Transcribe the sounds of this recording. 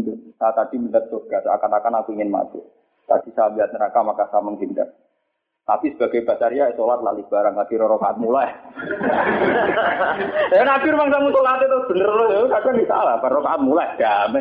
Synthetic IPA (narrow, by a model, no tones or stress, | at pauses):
nt̪usat̪ad̪iməndət̪̚d̪oɡ̥asa̰kanakanakuiŋɪnma̰t̪ṵ | t̪a̰d̥isabiɦat̪̚nəɾakamakasaməŋɦint̪ə̰r | t̪apisəb̥aɡajbat͡ʃaɾijasolat̪la̰lib̥aɾaŋkadiɾɔɾokaat̪̚mula | ɛnakɪɾmaŋsaŋunt̪ʊklaat̪it̪ʊsb̥ənərlukaɡandisa̰labaokaat̪̚mulajd̪̥amɛ